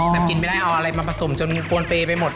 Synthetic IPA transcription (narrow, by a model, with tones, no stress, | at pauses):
ma˧nki˧npa˥˩jda˥˩jʔa˧wʔa˧ɾa˧jma˧pʰa˧so˩˦mt͡ɕo˧npku˧ənpeː˧pa˧jmo˨˩t̪̚